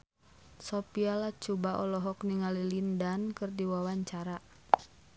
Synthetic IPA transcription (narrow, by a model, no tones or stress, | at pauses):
sɔpialat͡ʃubaʔɔlɔɦɔkniŋalilindankɨrdiwawaɲt͡ʃaɾa